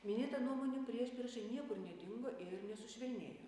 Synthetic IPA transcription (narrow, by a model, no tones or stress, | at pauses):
mʲɪnʲeːt̪ɐnuɔmoːnʲupʲɾʲiɛʃʲpʲɪɾʒʲɛɪnʲiɛkʊɾnʲɛd̪ʲɪŋɡoːʔɪɾnʲɛsʊʃʲʋʲɛlʲnʲeːjoː